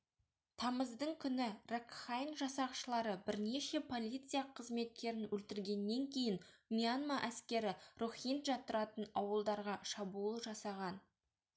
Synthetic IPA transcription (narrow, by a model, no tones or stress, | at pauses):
t̪ʰɑməzd̪əɴkʲʰʏnɪrekχajnʒɑsɑqʃəlˠɑɾəbɪɾne̞ʃe̞pʰo̞lʲˠijt̪sɨjaqʰəzme̞t̪̚kʲe̞ɾɪnwɵlt̪ɪɾɡʲe̞nːe̞ŋkʲʰe̞jɪnmijanmaʔæskʲe̞ɾɪruχint̪ʒɑt̪ʊɾɑt̪ənɑwəlˠd̪ɑɾʁɑʃɑbulˠəʒɑsɑʁɑn